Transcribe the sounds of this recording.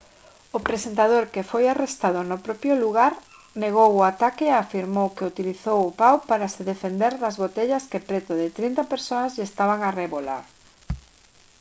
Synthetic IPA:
ʊpɾesent̪aðoɾkɪfojarest̪aðʊnʊpɾɔpjʊluɣ̞aɾ | neɣ̞owʊat̪akɪafiɾmowkeut̪iliθowʊpawpaɾasɪðefend̪eɾðɐzβot̪eʎɐskepɾet̪ʊðɪt̪ɾint̪ɐpeɾsoɐzʎest̪aβaŋareβola̰ɾ

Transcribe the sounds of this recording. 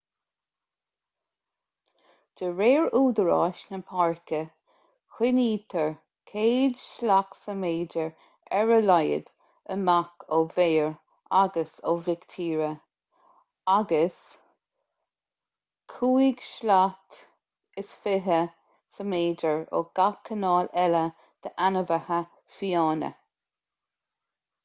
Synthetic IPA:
d̥əɹeːɹuːd̪əɹɑ̰ːʃnəpʰaɹkə | xwɪniːt̪ʰəɹ | kʰeːdʃlaksəmeːdəɹ | ɛɹəlajə̰d̪̥ | əmakʰoveːɹ | ʔaɡəso̰vɪkt̪ʰiːɹə | aɡəs | kʰuːiɡ̥ʃlat̪ | ɪsfɪɦə | səmeːd͡ʒəɹo̰ɡ̥akʰːənɑːlɛlə | d̪̥əʔanəvəhə | fiɑːnə̰

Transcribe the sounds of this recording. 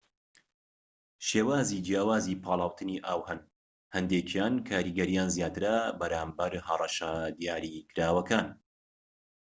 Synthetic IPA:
ʃeːwaːziːd͡ʒijaːwaːzipʰɑːlˠɑːwt̪ʰɨniʔaːwhɐn | hɛnd̪eːt͡ʃjaːnkʰaːɾiːɡɐɾijaːnzjaːt̪ɨɾabɐɾaːmbɐɾhɐrˤɑʃɐd̪ijaːɾikʰɨɾaːwɐkaːn

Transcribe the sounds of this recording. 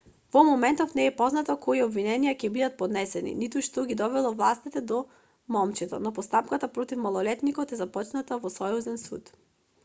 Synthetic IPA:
vɔmɔmɛnt̪ɔfnɛːpɔznat̪ɔkʰɔiɔbvinɛnijacɛbid̪at̪̚pɔd̪nɛsɛnḭnit̪uʃt̪ɔɡʲid̪ɔvɛlˠɔvlˠast̪it̪ɛd̪ɔ | mɔmt͡ʃɛt̪ɔ̰nɔpɔst̪apkat̪apɾɔt̪ifmalˠɔlɛt̪nikɔt̪ɛzapɔt͡ʃnat̪avɔsɔjuzɛnsṵt̪

